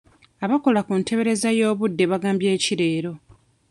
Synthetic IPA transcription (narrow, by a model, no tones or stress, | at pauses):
aβako̞lakuntʰe̞βe̞ɾe̞zajo̞ːβudːe̞βaɡaːmbje̞ːciɾe̞ːɾo̞